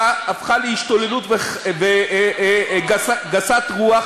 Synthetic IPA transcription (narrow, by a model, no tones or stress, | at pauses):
afχaleiʃt̪o̞lelutveve | ɡaaɡasatʁuaχ